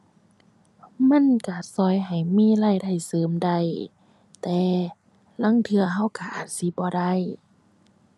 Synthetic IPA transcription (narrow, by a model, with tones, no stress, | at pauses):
ma˧˥˨nka˧˩sɔː˧˩jɦa˨˩jmiː˧˥˨la˧˥˨jda˧˩jsɤː˨˦mda˧˩˨j | t̪ɛː˨˧˦ | la˧˥˨ŋt̪ʰɯ˧ɐɦa˧˥˨wka˧˩ʔaː˨˩t̪̚si˧˦bɔː˧˦da˧˩˨j